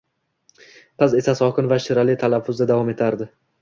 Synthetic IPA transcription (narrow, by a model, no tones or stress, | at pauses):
qʰɨze̞sasɒkʰɪnvaʃɪɾalɪt̪ʰalafːʊzd̪ad̪avɒme̞t̪ʰaɾd̪ɪ